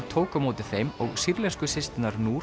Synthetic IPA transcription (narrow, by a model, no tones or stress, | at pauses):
t̪ʰoːwkamoːwt̪ɪfejmɔɣsiɾlɛskʏsɪst̪ɪnaɾnuː